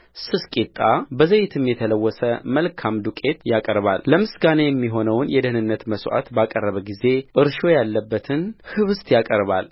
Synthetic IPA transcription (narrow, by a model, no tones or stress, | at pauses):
sɨskʼit̪ʼːabəzəjɪt̪ʰɨmjɛt̪ʰələwːɔsəməlkʰamd̪ukʼe̞t̪jakʼəɾβa̰lːəmɨsɡanejɛmːiɦo̞nəwnjɛd̪əhnɨnːət̪məsʔa̰t̪bakʼərːəβəɡize̞ʔɨɾʃo̞jalːəbːət̪ʰɨnhɨβɨst̪jakʼəɾβal